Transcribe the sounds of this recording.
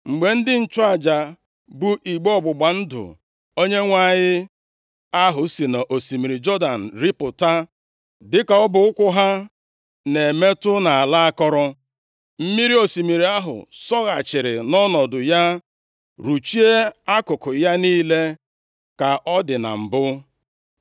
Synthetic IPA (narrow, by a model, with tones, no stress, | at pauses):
ŋ͡m̩˨ɡ͡be˨n̩˦dɪ˦n̩˦˨t͡ʃʊ˦a˨d͡ʒa˨ | bu˦ʔi˨ɡ͡bɔ˨ɡ͡bʊ˨ɡ͡ba˨n̩˦dʊ̰˨ | o˦ɲe˦ŋʷa˦˨ɲɪ˦ | a˦ɦʊ˨si˨na˨ʔo˨si˨mi˨ɾi˨d͡ʒɔ˦da˨n̩˨ɾi˦pʊ˨ta˦ | dɪ˦ka˨ɔ˦bʊ˨˦ʊ˦kʷʊ˦ɦa˦ | ne˨me˦tʊ˦na˨a˨la˦a˦kɔ˦ɾɔ˦ | m̩˦mi˦ɾi˦o˨si˨mi˨ɾi˨a˦ɦʊ̰˨sɔ˦ɣa˨t͡ʃɪ˨ɾɪ˨nɔ˦nɔ˨dʊ˨ja˦ | ɾu˨t͡ʃi˦e˦a˦kʊ˨kʊ˨ja˦niː˦le˦ | ka˨ʔɔ˦dɪ˨na̰˨m̩˨bʊ˦